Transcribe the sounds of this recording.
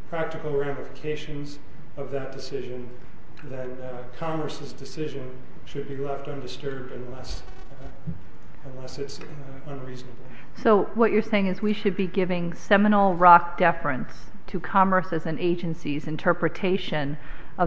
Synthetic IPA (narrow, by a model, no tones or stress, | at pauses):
pʰɹ̥æk̚tɨkl̩ˠɹæ̃mɨfə̥kʰeɪʃɨ̃nz | ʌvðɨt̚d̥ɨsɪʒɨ̃n | ðɨ̃n | kʰɑmə˞sɨzdɨsɪʒɨ̃n | ʃɨd̚bilɛftʌ̃ndɨstɜ˞b̚dɨ̃nlɛs | ə̃nlɛsɨts | ə̃nɹiznəbl̩ˠ | soʊwʌt͡ʃə˞seɪɪ̃ŋɨzwiʃɨd̚biɡɪvɪ̃ŋsɛmənl̩ˠɹɑk̚d̥ɛfɹɨ̃ns | tʰɨkʰɑmə˞sɨzɨ̃neɪd͡ʒɨ̃nsizɨ̃ntʰɜ˞pɹɨtʰeɪʃɨ̃n | ʌ